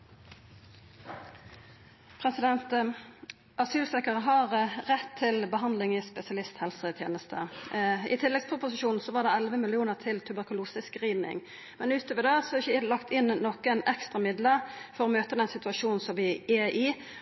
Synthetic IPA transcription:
pʰɾɛsɪd̪ɛnt̪ | ʔɑsyːlsɛkəʁəɦɑʁʁɛt̪ʰːɪlbəɦɑnd̪lɪŋɪspɛsɪɑlɪst̪hɛlsət̪ʰjeːnəst̪ʰə̰ɪt̪ʰɪlːɛɡspʰʁʊpʊsɪʃuːnn̩sɔʋɑʁd̪ɛɛlʋəmɪlɪuːnəʁt̪ʰɪlt̪ʰʉbəʁkʊluːsɪskʁiːnɪ̰ŋ | mɛnʉːt̪oːʋəd̪eːsɔɪçlɑkt̪ʰɪnnɔkɛnɛkst̪ʁɑmɪd̪ləfɔɾʁɔmøːt̪əd̪ɛnsɪt̪ʉɑʃuːnn̩sɔmʋɪɛʔɪ

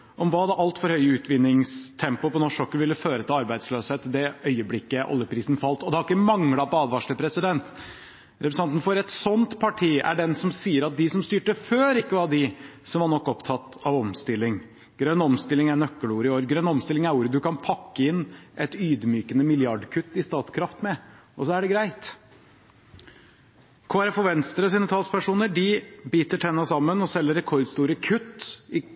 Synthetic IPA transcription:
ʔɔmʋɑːd̪ɛʔɑlt̪fɔɾhœʏʉːt̪ʋɪnːɪŋst̪ʰɛmpʊpɔnɔʂɔkːəʋɪlːəføːɾət̪ʰɪlɑɾbæɪd̪sløːsheːt̪d̪ɛœʏəblɪkːəʔɔ̰lːjəpʰɾiːsn̩fɑlt̪ːɔd̪ɛhɑɾɪkːəmɑŋlɑpɔɑːd̪ʋɑʂɭəpʰɾɛsɪd̪ɛnt̪ | ɾɛpɾəsɑnt̪n̩fɔɾɛt̪sɔnt̪pʰɑʈʰiːʔæ̰ɖɛnsɔmsiːəɾɑt̪̚d̪ɪsɔmst̪yːʈəføːɾɪkːəʋɑɖɪsɔmʋɑɳɔkːɔpt̪ʰɑt̪ɑʋɔmst̪ɪlːɪŋ | ɡ̥ɾœnːɔmst̪ɪlɪŋæɳœkːəluːɾəɪoːɾɡɾœnːɔmst̪ɪlɪŋæɾuːɾəd̪ʉkɑnpʰɑkːəɪnːʔɛt̪yːd̪myːkənəmɪljɑɖkʰʉt̪ːɪst̪ɑːt̪skʰɾɑft̪mɛ | ʔɔsɔæɖɛɡɾæɪt̪ | kʰoːæɾɛfɔʋɛnst̪əɾɔsiːnət̪ʰɑlspʰæʂuːnəɖɪbiːt̪əʈʰɛnːɑsɑmːənɔsɛlːəɾːɛkʰɔɾd̪st̪uːɾəkʰʉt̪ːɪ

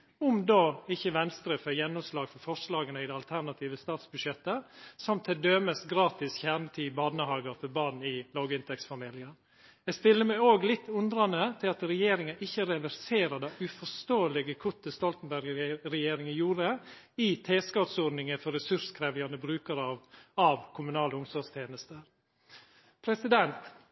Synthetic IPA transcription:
ʊmd̪oːɪçːəʋɛnst̪ɾəfəjɛnːɔmslɑːɡfɔɾfɔʂlɑːɡənəɪd̪ɛɑlt̪ʰæɾnɑt̪ʰiːʋəst̪ɑːt̪sbʉʂjɛt̪ːəsɔmt̪ʰɪld̪øːməsɡɾɑːt̪ɪsçæɾɳət̪ʰiːbɑːd̪nəhɑːɡəɾfɔɾbɑːn̩ɪloːɡəɪnt̪ɛksfɑmiːlɪəɾ | ɛɡst̪ɪlːəmæɪoːɡlɪt̪ʰːʉnd̪ɾɑnət̪ʰɪlɑt̪ɾɛjeːɾɪŋəʔɪçːəɾɛʋæɾseːɾəd̪ɑːʔʉfɔst̪oːəlɪɡəkʰʊt̪ːəst̪ɔlt̪n̩bæɾɡɾɛjeːɾɪŋɪjuːɾə | it̪ʰeːskɑt̪sɔd̪nɪŋəfɔɾɛsʉskʰɾeːʋ̪ɪɑnəbɾʉːkəɾɑʋɑʋkʰʊmʉnɑːləʊmsɔst̪ʰjeːnəst̪əɾ | pʰɾɛsɪd̪ɛnt̪

